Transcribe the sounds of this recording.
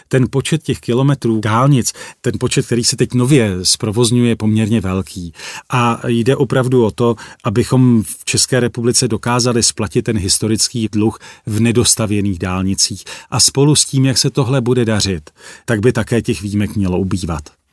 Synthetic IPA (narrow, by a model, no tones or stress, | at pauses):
t̪ɛnpo̞t͡ʃɛt̪̚cɛxkɪlo̞mɛt̪ɾuːdaːlɲɪt͡st̪ɛnpo̞t͡ʃɛt̪̚kt̪ɛɾiːsɛt̪ɛcno̞vjɛspɾo̞vo̞zɲujɛpo̞mɲɛɾɲɛvɛlkʰiːʔajdɛʔo̞pɾavduʔo̞t̪o̞ʔabɪxo̞mft͡ʃɛskɛːɾɛpublɪt͡sɛdo̞kaːzalɪsplacɪt̪̚ːɛnɦɪst̪o̞ɾɪt͡skiːdluxvnɛdo̞st̪avjɛniːɣdaːlɲɪt͡siːxʔaspo̞lusciːmjaksɛt̪o̞ɦlɛbudɛdar̝ɪt̪t̪ːaɡ̚bɪt̪akɛːcɛxviːmɛkmɲɛlo̞ʔubiːvat̪